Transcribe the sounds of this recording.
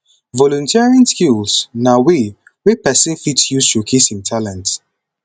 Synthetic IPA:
vɔlɔ̃ntʰɛɹə̃nskilsnawi | wepɛsĩnfitjusʃokʰisĩntʰalɛ̃nt

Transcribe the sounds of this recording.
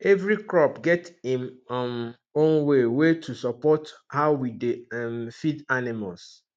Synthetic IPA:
ɛvɹikɹɔpɡɛtĩmm | õnwewetʰusɔpɔthaʊwidemfidanimals

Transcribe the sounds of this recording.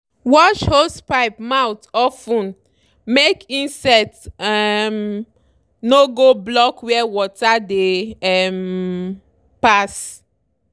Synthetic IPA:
wɔʃhospaɪpmawtɔfũn | mekĩnsɛtɛm | noɡoblɔkwɛwɔtadeɛm | pas

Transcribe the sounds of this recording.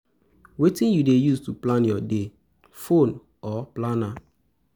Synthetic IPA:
wetĩnjudejustuplãnjɔde | fõn | ɔplana

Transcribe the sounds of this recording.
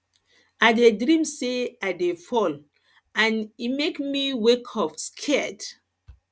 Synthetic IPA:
adedɹĩmseaɪdefɔl | ãnimekmiwekʰɔfskʰɛd

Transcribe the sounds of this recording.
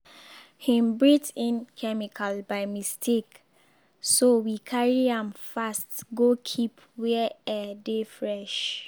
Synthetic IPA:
hĩmbɹitĩnkʰɛmikʰalbaɪmistʰek | sowikʰaɹiãmfastɡokʰip | wɛɛdefɹɛʃ

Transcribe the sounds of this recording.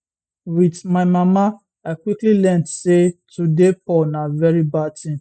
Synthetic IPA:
widmaɪmama | aɪkwiklilɛ̃ntsetʰudepɔnavɛɹibatʰĩm

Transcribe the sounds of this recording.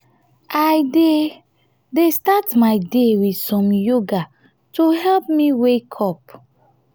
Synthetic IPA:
ʔajde | destatmaɪdewidsɔ̃mjuɡa | toɦɛlp̚miwekʰɔp

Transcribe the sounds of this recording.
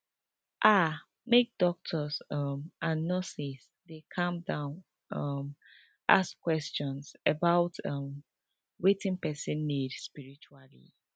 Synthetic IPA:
ʔa | mek̚d̥ɔk̚tʰɔsʌmʔãnːɔsis | dekʰãmdãʊ̃n | ʌm | ʔa̰skwɛst͡ʃɔ̃nsəbaʊtʰʌm | wetĩnpɛsĩnːidspiɹit͡ʃualḭ

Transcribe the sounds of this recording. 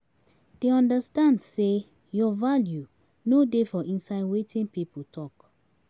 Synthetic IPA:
d̥eɔ̃ndəstãndse | jɔvalju | nodefɔʔĩnsaɪdwetʰĩnpiputʰɔk

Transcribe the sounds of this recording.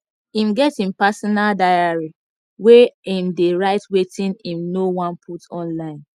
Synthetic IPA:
ĩmɡɛtĩmpasɔnaldajaɹi | weĩmdeɹaɪtwetĩnĩmnowɔ̃npʰutɔ̃nlãɪ̃n

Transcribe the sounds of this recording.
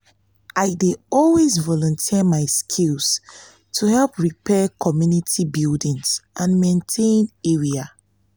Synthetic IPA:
ʔaɪdeɔlwezvɔlɔ̃ntʰiəmaɪskʰils | tʰuhɛlpɹipʰɛkʰɔmjunitʰibildĩŋsʔãnmẽntʰẽnɛɹia

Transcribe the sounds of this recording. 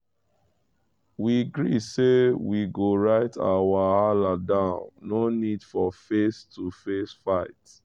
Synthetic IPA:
wiɡɹisewiɡoɹaɪtʰa̰waaladãʊ̃nːonid̥fɔfestufesfaɪt

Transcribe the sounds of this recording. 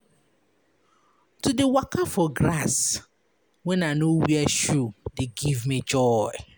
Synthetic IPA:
tʰudewakʰafɔɡɾas | wɛ̃nanowiɛʃudeɡivmĩd͡ʒɔɪ

